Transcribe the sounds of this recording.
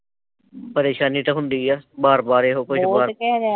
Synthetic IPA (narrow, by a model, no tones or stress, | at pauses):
pəɾeːʃaːniːt̪aɦʊnd̪iːɛːbaːɾbaːɾeːɦoːkʊt͡ʃbaːɾɛɾ